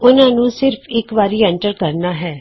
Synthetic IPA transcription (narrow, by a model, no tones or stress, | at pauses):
ʊnãːnũːsɪɾpʰɪkʋaːɾiːɛ̃ɳʈəɾkəɾnaːɦɛː